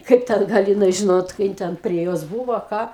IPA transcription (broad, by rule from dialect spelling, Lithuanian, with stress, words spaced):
ˈkɐɪp ˈtʲɛn ˈɡɐlˠ jɪˈnɐɪ ˈʒʲɪnoːt ˈkɐɪ jɪn tʲɛn pʲrʲiɛ ˈjoːs ˈbuːʋoː ˈkɑː